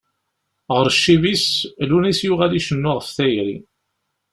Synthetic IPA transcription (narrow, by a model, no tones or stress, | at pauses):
ʁəɾʃːivislunisjuʁaliʃənːʊʁfθæjɾḭ